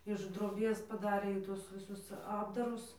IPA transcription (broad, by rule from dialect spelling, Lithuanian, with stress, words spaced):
ɪʃ droːˈbʲeːs pɐˈdɑːrʲeː ɪˈtʊs ʋʲɪˈsʊs ˈɑːbdɐrʊs